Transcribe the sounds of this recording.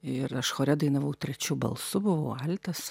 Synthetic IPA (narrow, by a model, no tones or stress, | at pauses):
ɪɾɐʃxoːɾʲɛd̪ɐɪnɐʋɐʊt̪ʲɾʲɛt͡ʃʲʊbɐ̰lˠsʊbʊʋɐʊɐlʲt̪ɐs